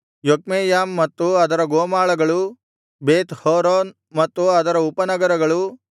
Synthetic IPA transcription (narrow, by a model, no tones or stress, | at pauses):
jokmeːjaːmːɐt̪ːuɐd̪ɐɾɐɡoːmaːɭɐɡɐɭu | beːt̪hoːɾoːn | mɐt̪ːuɐd̪ɐɾɐupɐnɐɡɐɾɐɡɐɭu